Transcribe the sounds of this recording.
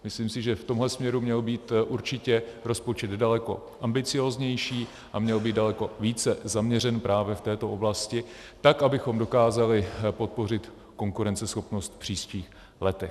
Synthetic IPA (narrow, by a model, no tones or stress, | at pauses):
mɪsliːmsɪʒɛft̪o̞mɦlɛsmɲɛɾumɲɛlbiːt̪ʔuɾt͡ʃɪcɛɾo̞spo̞t͡ʃɛd̪dalɛko̞̰ | ʔambɪt͡sɪjo̞ːzɲɛjʃiː | ʔamɲɛlbiːd̪dalɛko̞viːt͡sɛzamɲɛr̝ɛnpɾʔaːvjɛft̪ɛːt̪o̞ʔoblascɪ | t̪akʔabɪxo̞mdo̞kaːzalɪpo̞t̪̚po̞rɪt̪ | ko̞ŋkuɾɛnt͡sɛsxo̞pno̞st̪fpr̥iːsciːx | lɛt̪ɛx